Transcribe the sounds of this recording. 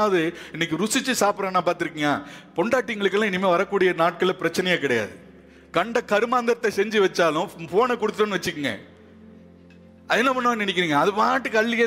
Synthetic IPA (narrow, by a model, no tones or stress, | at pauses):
aːʋɐðɯ | ɪnːɛk̬ːɯɾʊsɪt͡ʃːɯsaːpɯɾãnːaːpaːɾt̪ɪɾɯkːɯŋɡaːpɔɳɖaːʈːɪŋɡɐɭɯkːɐlãːɪnːɪmeːʋɐɾɐkːuːɽɪjɐnaːʈ̚kɐɭpɪɾɐt͡ʃːɪnɐjakɪɽɐja̰ːðɯ | kɐɳɖɐkɐɾɯmaːnd̪ɐɾt̪ːɐsɛɲd͡ʒiʋɐt͡ʃːaːlʊ̃foːnɛkɔɽɯt̪ːɯʈːɯnɯʋɐt͡ʃːɯkːɯŋɡɐ̰ | ɐðɛnːɐpɐnːɐanɪnɛkːɪɾiːŋɡɐːðɯpɐaːʈːɯkːɐɭːɪɣɐ